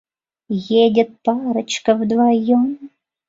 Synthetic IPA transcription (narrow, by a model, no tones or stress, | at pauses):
jedʲə̆t̪̚pɑɾə̆t͡ɕkə̆vd̪vɑjom